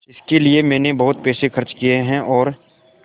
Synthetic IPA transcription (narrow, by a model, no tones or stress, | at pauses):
ɪskeliemɛ̃ːnebɐɦʊt̪̚peːʃexɐɾt͡ʃkijeɦɛ̃ʔɔːɾ